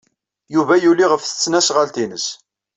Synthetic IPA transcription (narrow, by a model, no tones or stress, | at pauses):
juvæjulːiʁəfθə̥t͡sːnæsʁalt̪inəs